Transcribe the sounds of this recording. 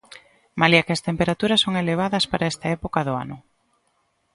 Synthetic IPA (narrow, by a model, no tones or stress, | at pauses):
maliakɪɐst̪empeɾat̪uɾɐsːoŋeleβ̞aðɐspaɾaɛst̪ɐɛpokaðʊa̰nʊ̰